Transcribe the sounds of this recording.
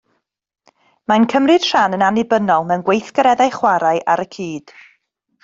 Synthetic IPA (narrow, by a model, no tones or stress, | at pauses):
mankʰəmrɨd̥ʃanənanɪbənɔlˠmɛwnɡwejθɡəɾɛðajχwaɾaɨʔaɾəkʰiːd̥